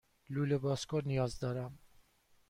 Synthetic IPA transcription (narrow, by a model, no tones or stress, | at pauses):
lulebɑːskoɾnijɑːzd̪ɔːɾam